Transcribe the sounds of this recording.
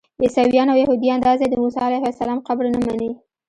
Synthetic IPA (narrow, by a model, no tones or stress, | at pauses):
jɪsawijɑnawjahud̪iand̪ɑzad̪əmusɑalajhasalɑmqabɾnamanə